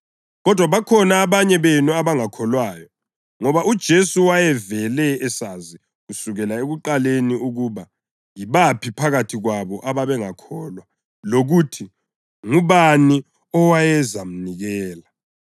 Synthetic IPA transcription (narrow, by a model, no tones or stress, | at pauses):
ɣɔd̥ʱwaβakʰɔnaːβaɲɛβenuaβaŋakʰɔlwaːjɔ | ŋɔβaʔud̥ʒ̥ʱesuwajɛvɛlɛːsazi | usuɣɛlaeɣuǃaleniuɣuːβa | jiβapʰipʰaɣatʰiɣwaβɔʔaβaβɛŋakʰɔlwa | loɣutʰi | ŋuβani | ɔwajɛzam̩niɣɛːla